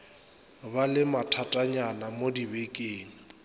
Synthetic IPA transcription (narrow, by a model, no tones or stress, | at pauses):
balɪmatʰatʼaɲanamodibekʼeːŋ̩